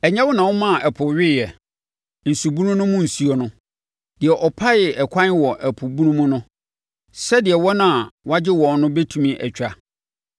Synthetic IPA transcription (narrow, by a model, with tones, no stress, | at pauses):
ɛ˨ɲɛ̃˦wʊ˦nã˨wʊ˦mã˦˨ʔɛ˨pʰʊ˨ɥɪ˦jɛ˨ | n̩˨su˨bũ˦nũ˦nʊ̃˦mʊ̃˦˨n̩˨su˨˦o˨nʊ̃˦ | d̥ɪ˨ɛ˨ʔɔ˨pʰa˦jɪ˨ʔɛ˨kʰʷã˦n˦wɔ˨ʔæ˨pʰʊ˨bu˦nũ˦mũ˦nʊ̃˦ | sɛ˦dɪ˨ɛ˨wɔ˦nã˦˨wɔ˦a˦d͡ʑɪ˦wɔ̃˨n˦nʊ̃˦bɛ˦tʰu˨mĩ˦ʔɛ̰˨t͡ɕᶣa˨